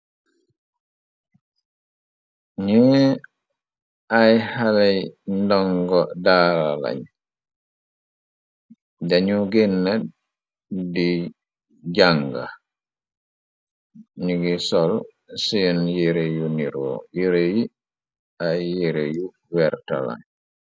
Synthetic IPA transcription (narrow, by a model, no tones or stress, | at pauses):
ɲɛ | ajhalajndɔŋɡɔdala̰la̰ɲ | daɲuɡɛnːɛ | di | d͡ʒaŋɡa̰ | ɲuɡisɔl | sijɔnjiɾejuniɾɔ̰jiɾeji | ajːiɾeju | wɛɾta̰la̰ɲ